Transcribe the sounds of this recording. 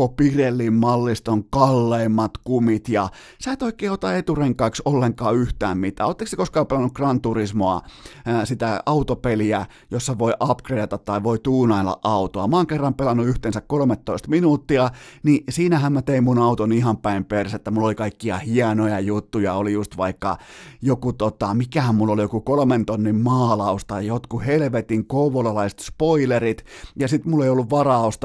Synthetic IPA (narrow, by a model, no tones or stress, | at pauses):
opirelːimmɑlːist̪oŋkɑlːeːmːɑt̪kumit̪jɑ | sæːt̪oikeːot̪ɑet̪ureŋkɑiksolːeŋkɑːyht̪æːmmit̪æ̰ːoːt̪ːeksekoskɑːpelɑnukrɑnt̪urismoɑsit̪æɑut̪opeliæ | josːɑʋoiʔɑpkreɑt̪ɑt̪t̪ɑiʋoit̪uːnɑilːɑ̰ʔɑut̪oɑmɑːŋkerːɑmpelɑnːuyht̪ensækkolmet̪ːoist̪minuːt̪ːiɑnisiːnæhæmmæt̪eimmunɑut̪onihɑmpæimperset̪ːæmulːolikɑikːiɑ̰hiɑnojɑjut̪ːujɑolijust̪ʋɑikːɑ̰jokut̪ot̪ɑmikæhæmmulːolijokukolment̪onːimmɑːlɑust̪ɑjot̪kuhelʋet̪iŋkouʋolɑlɑise̥t̪spoilerit̪jɑsit̪mulːeiolːuʋʋɑrɑˑost̪ɑ